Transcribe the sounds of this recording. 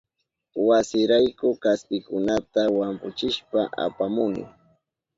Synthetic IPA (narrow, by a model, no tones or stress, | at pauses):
wasɪɾajkʊkaspɪkʊnat̪awampʊt͡ʃɪʃpaʔa̰pamʊnɪ̰